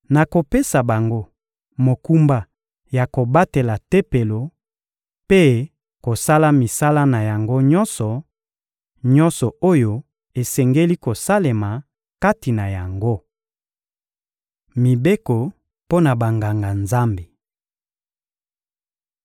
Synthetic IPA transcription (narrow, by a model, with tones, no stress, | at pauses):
na˨ko˨pe˦sa˨ba˨ŋɡo˦ | mo˨ku˦mba˦ | ja˨ko˨ba˦te˨la˨te˦pe˨lo˨ | pe˦ | ko˨sa˦la˦mi˨sa˦la˦na˨ja˨ŋɡo˦ɲɔ˦nsɔ˨ | ɲɔ˦nsɔ˨o˦jo˨ | e˨sɛ˨ŋɡe˦li˦ko˨sa˦le˨ma˨ | ka˦ti˨na˨ja˨ŋɡo˦ | mi˨be˦kɔ˨ | po˦na˨ba˨ŋɡa˨ŋɡa˨nza˦mbe˨